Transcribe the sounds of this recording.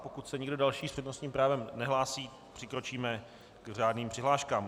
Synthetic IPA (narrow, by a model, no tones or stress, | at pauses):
po̞kut̪sɛɲɪɡdo̞dalʃiːsprɛdnosɲiːmpɾaːvɛmnɛɦlaːsiː | pr̝̥ɪkɾo̞t͡ʃiːmɛ | kr̝aːdniːmpr̥ɪɦlaːʃkaːm